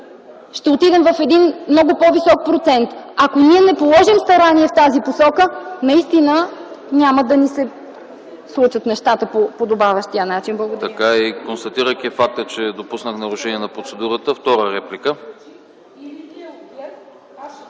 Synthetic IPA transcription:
ʃt̪ɛot̪id̪ɛmvɐfɛd̪inmnɔɡʊpɔvisɔk̚pɾot̪sɛnt̪akoniɛnɛpolˠɔʒimst̪ɐɾaniɛft̪aziposɔkənɐist̪inənʲaməd̪ɐnisɛ | slˠut͡ʃət̪nɛʃt̪at̪əpopod̪obavʲəʃt̪ijənat͡ʃinblˠɐɡʊd̪t̪ɐkaikonst̪ɐt̪iɾəjkʲifak̚t̪ət͡ʃɛd̪opusnəxnɐɾʊʃɛniɛnɐpɾot̪sɛd̪uɾət̪əft̪ɔɾəɾɛplikə

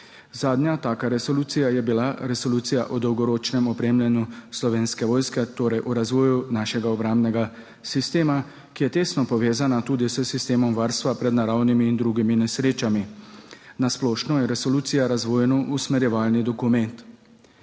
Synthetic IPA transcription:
zaːd̪njat̪aːkaɾɛsɔluːt̪sijajɛbilaɾɛsɔluːt̪sijaʔɔd̪ɔwɡɔɾoːt͡ʃnɛmɔpɾeːmlʲɛnjuslɔʋeːnskɛʋɔːjskɛt̪oːɾɛjʔuɾazʋɔːjunaːʃɛɡaɔbɾambnɛɡa | sist̪eːma | kijɛt̪eːst̪nɔpɔʋeːzanat̪uːd̪isəsist̪eːmɔmʋaːɾst̪ʋapɾɛd̪naɾawnimiːnd̪ɾuːɡiminɛsɾeːt͡ʃami | nasplɔːʃnɔjɛɾɛsɔluːt̪sijaɾazʋɔːjɛnɔʔusmɛɾjɛʋaːlnid̪ɔkumɛnt̪

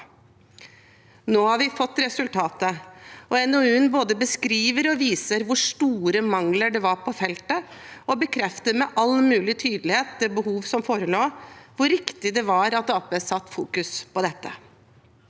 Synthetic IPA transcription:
noːhɑɾʋɪfɔt̪ːɾɛsʉlt̪ʰɑːt̪əɔɛnoʉnboːd̪əbəskɾiːʋəɾɔʋiːsəɾʋʊʂʈuːɾəmɑŋləɖɛʋɑɾpʰɔfɛlt̪ə | ɔbəkʰɾɛft̪əmɛʔɑlmʉːlɪt̪ʰyːd̪əlɪheːt̪̚d̪ɛbəɦuːʋsɔmfoːɾəloːʋʊɾɪkt̪ɪd̪ɛʋɑɾɑt̪̚d̪ɔpəsɑt̪ːfṵːkʉspɔd̪ɛt̪ːə

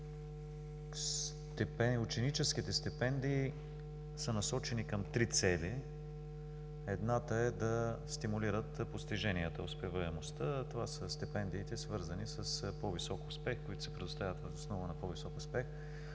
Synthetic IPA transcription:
s | t̪ɛpɛʊt͡ʃɛnit͡ʃɛsk̟it̪ɛst̪ɛpɛnd̪iː | sənɐsɔt͡ʃɛnikɐmt̪ɾit̪sɛli | ɛd̪nat̪əɛd̪ɐst̪imʊliɾət̪post̪iʒɛnʲiət̪əospɛvəɛmost̪ət̪ovasəst̪ipɛnd̪iːt̪ɛsvɤɾzənisəspɔvisɔkʊspɛxkoit̪ʊsɛ̥pɾɛd̪ʊst̪avʲət̪vəzosnɔvənɐpɔvisɔkʊspɛx

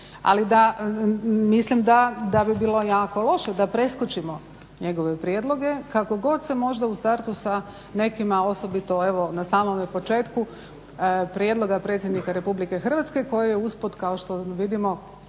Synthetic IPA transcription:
a̰lid̪a | mislimd̪ad̪abibiːlˠo̞jaːko̞lˠo̞ʃed̪apɾe̞skot͡ʃimo̞ | ɲe̞ɡoʋe̞pɾjed̪lˠo̞ɡe̞kako̞ɡo̞d̪semo̞ʒd̪aust̪aɾt̪usa | ne̞kimao̞so̞bit̪o̞e̞ʋonasaːmomepo̞t͡ʃe̞ːt̪ku | pɾjed̪lˠo̞ɡapɾe̞t̪sʲjed̪nikaɾe̞publike̞xər̩ʋat̪ske̞ko̞jijeuspot̪kao̞ʃt̪oʋid̪imo̞

